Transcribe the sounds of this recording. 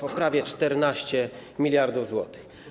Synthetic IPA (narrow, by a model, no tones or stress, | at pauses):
pɔpɾavʲjɛt͡ʂt̪ɛɾnaɕt͡ɕɛmʲilʲjaɾd̪uvzwɔt̪ɪ̥x